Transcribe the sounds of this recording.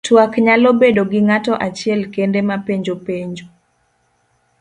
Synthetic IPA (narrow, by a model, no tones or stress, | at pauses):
twakɲalobedoɡɪŋatɔʔat͡ʃɪɛlkendemapeɲd͡ʒopeɲd͡ʒo